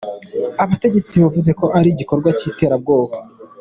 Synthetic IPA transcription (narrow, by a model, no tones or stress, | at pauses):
aβate̞ɟe̞t͡siβavuze̞ko̞ʔaɾiɟiko̞ɾɡwaciːte̞ːɾab̚ɡo̞ːβa